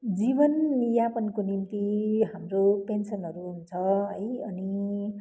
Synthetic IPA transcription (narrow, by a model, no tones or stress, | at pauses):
d͡zibʌnːijapʌnkonimt̪iɦamropensʌnɦʌɾuɦunt͡sʰʌɦʌjʌni